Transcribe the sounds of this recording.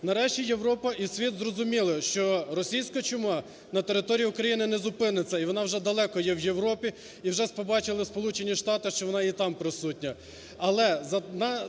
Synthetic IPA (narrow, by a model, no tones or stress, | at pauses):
nɐɾɛʃt͡ʃʲijeʋɾɔpɐʔisʲʋʲit̪zrɔzʊmʲilˠɪʃt͡ʃɔɾɔsʲijsʲkɐt͡ʃʊmɑ | nɐt̪eɾɪt̪ɔɾʲijiʊkɾɐjinɪnɛzʊpɪnɪt͡sʲːɐiʋɔnɑwʒɛd̪ɐlˠɛkɔjɛwjewɾɔpʲi | iwʒɛspɔbɑt͡ʃɪlˠɪspɔlˠut͡ʃenʲiʃt̪ɑt̪ɪʃt͡ʃɔʋɔnɑit̪ɑmpɾɪsutʲnʲɐ | ɐlˠɛzɐnɐ